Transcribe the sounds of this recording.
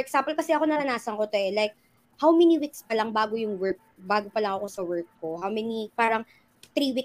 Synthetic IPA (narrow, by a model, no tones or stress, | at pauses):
fɔɹʔɛksampɔlkɐsɛʔɐko̞nɐnɐnaːsɐŋkot̪oʔɛlajk̚ | hawmɛniwikspɐlɐŋbaːɡojʊŋwɛɹk̚baːɡopɐlɐŋɐko̞sɐwɛɹk̚kohawmɛnipaːɾɐŋ | t̪ɾiːwik